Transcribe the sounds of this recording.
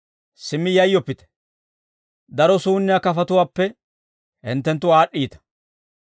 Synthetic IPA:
sɪmːɪjɐjːɔpːɪt̪ɛ̥ | d̪ɐɾɔsuːnːɪjaːkɐfɐt̪ʊwaːpːɛ | hɪ̰nt̪ːɛnt̪ːʊaːɗːiːt̪ɐ̥

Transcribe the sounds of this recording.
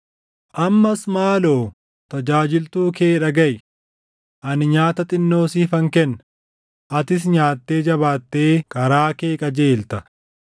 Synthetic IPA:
ʔɐmːɐsmaːlo̞ː | t̪ɐd͡ʒaːd͡ʒɪlt̪uːke̞ːᶑɐɡɐj | ʔɐnɪɲaːt̪ɐt̪ʼɪnːo̞ːsiːfɐŋkɛnːɐ | ʔɐt̪ɪs̬ɲaːt̪ːe̞ːd͡ʒɐβaːt̪ːe̞ːkɐɾaːke̞ːkʼɐd͡ʒe̞ːlt̪ɐ

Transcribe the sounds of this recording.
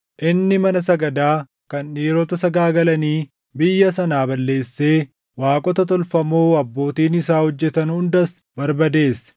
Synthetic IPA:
ʔɪnːɪmɐnɐsɐɡɐd̪aː | kɐnᶑiːɾɔt̪ɐsɐɡaːɡɐlɐniː | bɪjːɐsɐnaːbɐlːe̞ːsːe̞ː | waːkʼɔt̪ɐt̪ɔlfɐmoːɐbːo̞ːt̪iːnɪsaːhɔd͡ʒːɛt̪ɐnʊnd̪ɐs | bɐɾbɐd̪e̞ːsɐ̥

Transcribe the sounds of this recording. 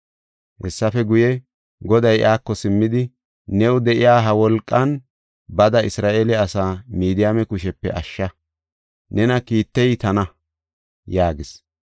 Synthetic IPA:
hɛsːɐfɛɡʊjɛ | ɡɔd̪ɐjʔaːkːɔsɪmːɪd̪ɪ | nɛwd̪ɛʔɪjaːɦɐwɔlkʼːɐn | bɐd̪ɐɪsɾaːʔelɛɐsaːmiːd̪ɪjamɛkʊʃ̬ɛpːɛ̰ʔɐʃːɐ | nɛnɐkiːt̪ːɛjt̪ɐnɐ | jaːɡɪs

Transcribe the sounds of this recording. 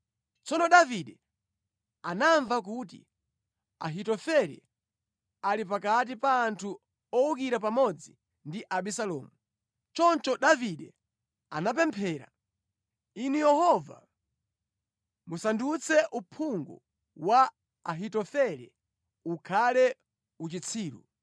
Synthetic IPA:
t͡sɔnɔɗaviɗɛ | anaɱvak̬ut̬ḭ | a̰ɦitɔfɛɾɛ̰ | alip̬akat̬ipaːntʰu | ɔuk̬iɾap̬amɔd͡zi | ndiʔaɓisalɔ̰ːmu | t͡ʃɔnt͡ʃɔɗaviɗɛ | a̰nap̬ɛmpʰɛːɾa̰ | inujɛhɔva̰ | musandut͡sʰɛʔupʰuŋɡṵ | wa | aɦitɔfɛɾɛ̰ | ukʰalɛ | ut͡ʃit͡sʰiːɾṵ

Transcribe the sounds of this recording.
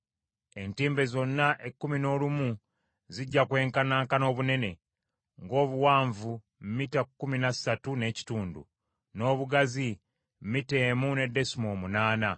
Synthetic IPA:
e̞ntiːmbe̞zo̞nːaʔekːumino̞ːlumu | ziɟːakwe̞ːŋkanaːŋkano̞ːβune̞ne̞ | ŋɡo̞ːβuwaːɱvu | mmitakːuminasatune̞ːci̥tuːndṵ | no̞ːβuɡazi | mmite̞ːmune̞de̞simoːmunaːna

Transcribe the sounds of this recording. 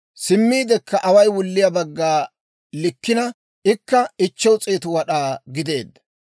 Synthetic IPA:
sɪmːiːd̪ɛkːɐʔɐwɐjwʊlːɪjabɐɡːaː | lɪkːɪnɐ | ʔɪkːɐɪt͡ʃːɛwt͡sʼeːt̪ʊwɐɗaːɡɪd̪e̞ːd̪ːɐ̥

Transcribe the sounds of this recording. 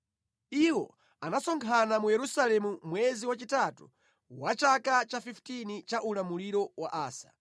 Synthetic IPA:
iwɔ | anasɔŋkʰanamujɛɾusalɛmumwɛziwat͡ʃitatṵ | wat͡ʃakat͡ʃafiftinit͡ʃaʔulamuliɾɔwaʔaːsḁ

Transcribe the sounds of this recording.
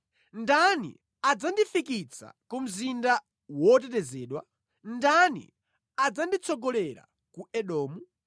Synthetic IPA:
ndanḭ | ad͡zandifikit͡sʰa̰kum̩zinda | wɔt̬ɛtɛzɛːɗwa | ndanḭ | ad͡zandit͡sʰɔɡɔlɛɾa̰ | kuɛɗɔːmu

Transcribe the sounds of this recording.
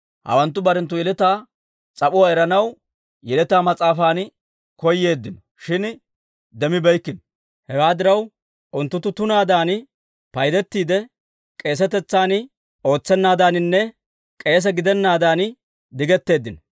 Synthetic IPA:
hɐ̰wɐnt̪ːʊbɐɾɛnt̪̬ːʊjɛlɛt̪aː | t͡sʼɐpʼʊwaːɛɾɐnɐw | jɛlɛt̪aːmɐt͡sʼaːfaːn | kɔjːe̞ːd̪ːɪnɔ | ʃɪn | d̪ɛmɪbɛjkːɪnɔ | hɛɡaːd̪ɪɾɐw | ʔʊnt̪ːʊt̪ːʊt̪ʊnaːd̪aːn | pɐjd̪ɛt̪ːiːd̪ɛ | kʼe̞ːs̬ɛt̪ɛt͡sːaːn | o̞ːt͡sːɛnːaːd̪aːnɪnːɛ | kʼe̞ːs̬ɛɡɪd̪ɛnːaːd̪aːn | d̪ɪɡɛt̪ːe̞ːd̪ːɪnɔ

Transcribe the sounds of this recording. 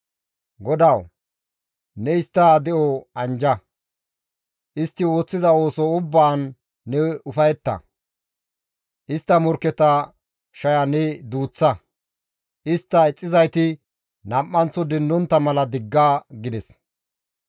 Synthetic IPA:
ɡɔd̪ɐw | nɛɪst̪ːaːd̪ɛʔɔɐnd͡ʒɐ | ʔɪst̪ːɪwo̞ːt͡sːɪzɐo̞ːsɔʊbːaːnː | ɛʊfɐjɛt̪ːɐ̰ | ʔɪst̪ːɐmɔɾkɛt̪ɐ | ʃɐjɐnɛd̪uːt͡sːɐ | ɪst̪ːɐɛt͡sʼːɪzɐjt̪ɪ | nɐmʔːɐnt͡sːɔd̪ɛnd̪ɔnt̪ːɐmɐlɐd̪ɪɡːaːɡɪd̪ɛs

